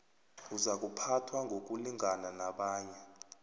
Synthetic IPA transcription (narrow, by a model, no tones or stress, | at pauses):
uzak̬ʼupʰatʰwaŋɡʱok̬ʼuliŋananaɓaːɲɛ